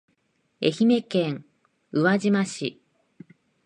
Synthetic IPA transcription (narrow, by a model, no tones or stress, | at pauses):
e̞̰çime̞kẽŋ | ɯβaʑimaɕḭ